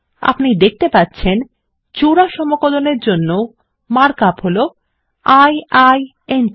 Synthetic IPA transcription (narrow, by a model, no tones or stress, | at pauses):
a̰pnid̪ek̚ʰt̪epatːɕʰen | t͡ɕuɾaʃɔmokod̪oneɾd͡ʑonːo | maɾkapɦolo | ajaj | en